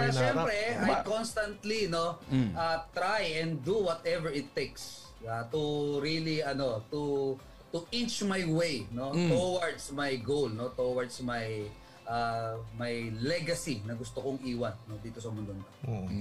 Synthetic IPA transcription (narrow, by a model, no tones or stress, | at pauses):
pɛɾɐʃɛmpɾɛɐjkonst̪ɐ̃nt̪lino̞ʔɐt̪ɾajɛ̃nd̪uwɔt̪ɛvɛɹɪt̪ːejks | at̪ʊɾiliɐno̞t̪u | t̪uʔint͡ʃmajwejnot̪owɐɹd̪smɐjɡowlno̞t̪owɐɹd̪smɐj | ʔamɐjlɛɡɐsinɐɡʊst̪okoŋʔiːwɐnːod̪iːt̪o̞sɐmʊnd̪onk̪oo